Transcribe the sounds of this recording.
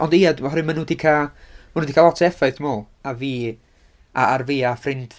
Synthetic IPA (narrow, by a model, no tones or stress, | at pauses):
ɔndiadmaɔɾɨmanuːdikʰamanuːdikʰalˠɔtʰɛfaɨθmoːlˠ | aviː | aarviːafrɪnd